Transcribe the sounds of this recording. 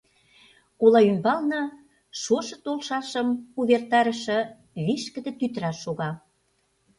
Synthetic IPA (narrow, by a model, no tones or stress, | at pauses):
kulɑymbɑlnɑ | ʃoʃɤ̆t̪olʃɑʃə̆muβert̪ɑɾə̆ʃɤ̆ | βiʃkə̆d̪ĕt̪yt̪ɾɑʃoɣɑ